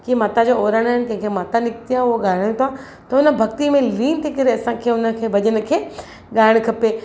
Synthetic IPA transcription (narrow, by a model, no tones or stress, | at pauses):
kimaːt̪ad͡ʑoːoːɾəɽ̃aɦɪn̆t̪ɐ̃ɦɪ̃kʰemaːt̪anɪkt̪ijaʊɦoɠaːɪɽ̃t̪ʰa | t̪ɐʊnə̆bʱɐkt̪imẽliːnt̪ʰikɐɾeɐsãkʰeːʊnə̆kʰeːbɐd͡ʑəñə̆kʰeː | ɠaːɪɽ̃kʰɐpeː